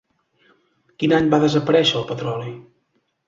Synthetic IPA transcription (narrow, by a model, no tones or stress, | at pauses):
kinaɲbaðəzəpəɾɛʃəəlˠpət̪ɾɔlˠi